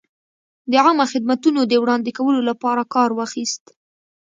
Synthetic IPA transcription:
d̪əɑmaxɪd̪̚mat̪unod̪əwɽɑnd̪ekawəlolapɑɾakɑɾwaxist̪

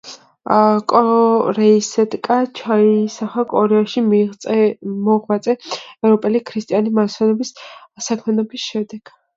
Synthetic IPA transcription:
kʼɔɾɛisɛt̪ʼkʼat͡ʃʰaisaχakʼɔɾɛaʃimt̪ʼɛmɔʁmat̪sʼɛːvɾɔpʼɛlikʰɾist̪ʼianimasʰɛnɔbissakʰmɛnɔbisʃɛd̪ɛɡ̥

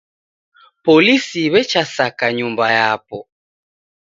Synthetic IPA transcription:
pɔlisiβɛt͡ʃasakaɲumbajapɔ

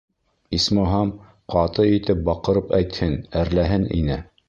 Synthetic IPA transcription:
ismoɦɑm | qɑt̪ɤit̪ɘp̚bɑqɤ̆ɾɤpæjt̪hɘnæɾlæɦɘnḭnɘ

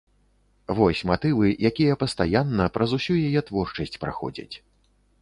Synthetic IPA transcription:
vɔsʲmat̪ɨvɨjakʲijɐpɐst̪ajanːɐpɾɐzusʲujajɛt̪vɔrt͡ʂɐsʲt͡sʲpɾa̰xɔ̰d͡zʲɐ̰t͡sʲ

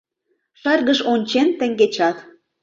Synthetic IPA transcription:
ʃɑrɣəʃonʲt͡ɕent̪ə̆ŋɡet͡ɕɑt̪

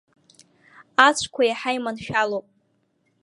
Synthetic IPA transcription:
at͡ɕʷʰkʷʰajaħajmanʃᶣalowpʼ

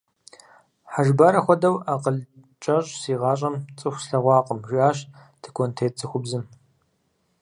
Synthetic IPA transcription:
ħaʒbaɾɐxʷɔdɐwaːqəɮ | t͡ʃʼɐɕʼsiːʁɑːɕʼɐmt͡sʼɨxʷsɬɐʁʷɑːqʼəmʒʷiaːɕ | tʰɨkʰontʰeːt͡sʰɨxʷʊbzɨm

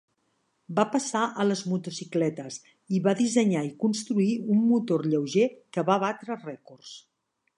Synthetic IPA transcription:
bapəsaʔələzmut̪usiklɛt̪əs | iβaðizəɲaikunst̪ɾuiumːut̪orʎəwʒekəβaβat̪ɾərɛkors

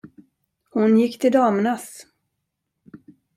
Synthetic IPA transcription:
hʊnjɪkːt̪ʰɪld̪ɑːmnas

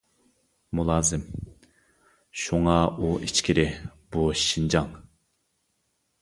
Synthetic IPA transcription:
mulˠɑːzɨm | ʃuŋɑuʔit͡ʃkʲʰiɾɪb̥uʃind͡ʒɑŋ

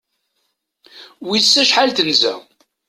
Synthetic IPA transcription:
wisːæʃħalt̪ənzæ̰

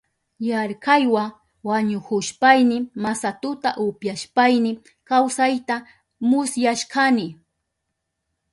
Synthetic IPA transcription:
jaɾkajwa | waɲʊkʊʃpajnɪmasat̪ʊt̪a̰ʔʊpjaʃpajnɪ | kawsajt̪a | mʊsjaʃkanɪ

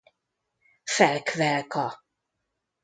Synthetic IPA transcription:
fɛlkvɛlkɒ

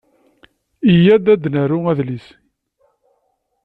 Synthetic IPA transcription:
ijæd̪æd̪næɾʊæðlis

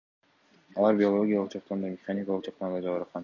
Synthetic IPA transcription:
ɑlˠɑɾbʲio̞lˠo̞ɡʲijalˠəqd͡ʒʰɑq̚t̪ɑnd̪ɑmʲeχanʲikalˠɯqt͡ʃʰɑq̚t̪ɑnd̪ɑd͡ʒɑβɯɾqqɑn

